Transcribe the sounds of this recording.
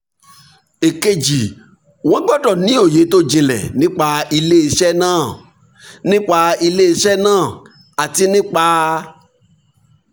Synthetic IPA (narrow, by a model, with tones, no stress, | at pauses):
e˨ke˧d͡ʒi˨ | wɔ̃˨˦ɡ͡bɔ˦˨dɔ˦˨nĩ˨˦o˦˨je˨˦to˦d͡ʒĩ˧lɛ̰˨nĩ˦k͡pa˧i˧le˦i˧ʃɛ˦nãː˦˨ | nĩ˦k͡pa˧i˧le˦i˧ʃɛ˦nãː˦˨ | a˨ti˧nĩ˦k͡pa˧